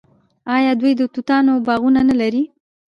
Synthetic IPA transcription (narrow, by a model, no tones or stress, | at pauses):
ɑjɑd̪wujd̪ət̪ut̪ɑnobɑɣunanalaɾi